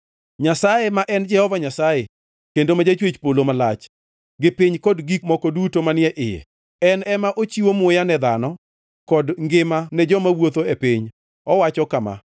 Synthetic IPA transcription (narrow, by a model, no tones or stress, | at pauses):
ɲasajemaʔɛnd͡ʒɛhɔvaɲasaje | kendomad͡ʒat͡ʃwet͡ʃpolomalat͡ʃ | ɡɪpɪɲkɔdɡikmɔkɔdutomanɪɛʔɪjɛ̰ | ɛnɛmaʔot͡ʃiwomʊjanɛd̪anɔ | kɔdŋɡɪmanɛd͡ʒɔmawot̪oɛpiɲ | ɔwat͡ʃɔkama̰